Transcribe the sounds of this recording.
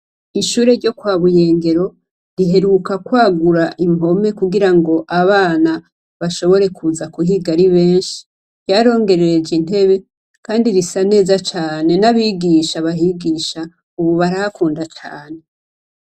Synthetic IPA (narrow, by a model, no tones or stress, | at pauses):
iʃuːɾe̞ɾɟo̞kwaːβuje̞ːŋɡe̞ɾo̞ | ɾiɦe̞ɾukakwaːɡuɾaʔimo̞me̞kuɡiɾaŋɡo̞ʔaβaːna | βaʃo̞βo̞ɾe̞kʰuzakuhiɡaɾiβe̞ːnʃi̥ | jaɾo̞ːŋɡe̞ɾeɾed͡ʒin̥he̞βe̞ | kaːndiɾisane̞ːzat͡ʃaːne̞naβiːɡiʃaβaɦiɡiːʃa | uβuβaɾahakuːndat͡ʃa̰ːne̞